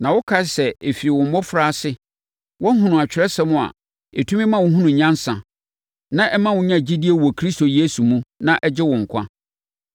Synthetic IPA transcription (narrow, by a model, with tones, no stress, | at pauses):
nã˨wʊ˦kʰa˦sɛ˨e˨fi˨ɪ˨wʊ̃˨m˦bɔ˦fɾa˦˨sɪ˦ | wʔɔ̃˦ɦũ˦nʊ̃˨a˨t͡ɕᶣɪ˨ɾɛ˦sɛ˦mʊ̃˦˨a̰˨ | e˨tʰũ˦mɪ̃˦mã˦wʊ̃˨ɦũ˦nʊ̃˨ɲã˦n˦sã˨ | nã˦ʔɛ˦mã˦wʊ̃˦ɲã˦˨d͡ʑi˦di˦e˦wɔ˨kʰɾi˦sto˨je˦su˨mũ˦nã˦˨ʔɛ˦d͡ʑɪ˦wʊ̃˨ŋ̩˨kʷʰã̰˦